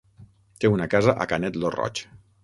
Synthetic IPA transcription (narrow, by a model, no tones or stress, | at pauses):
t̪eunakazaʔa̰kanɛt̪lorɔ̰t͡ʃ